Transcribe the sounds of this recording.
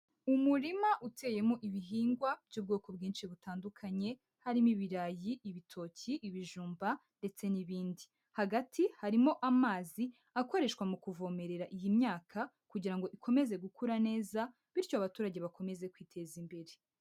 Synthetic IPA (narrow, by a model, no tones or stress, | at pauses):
umuɾimaʔutʰe̞ːje̞moʔiβiɦiːŋɡwab̥ɟuːb̚ɡo̞ːko̞bɡiːnʃiβutaːndukʰaɲe̞ | haɾimiβiɾajiʔiβitʰo̞ciʔːβiʒuːmbande̞t͡se̞niβiːndi | haɡatʰihaɾimo̞ʔamaːzi | ako̞ɾe̞ʃkwamukuvo̞me̞ɾe̞ɾaʔijimɲaːkʰa | kuɟiɾaŋɡo̞ʔikʰo̞me̞ze̞ɡukʰuɾane̞ːza | βiɾcoaβatuːɾaɟe̞βako̞me̞ze̞kwiːtʰe̞zimbe̞ɾe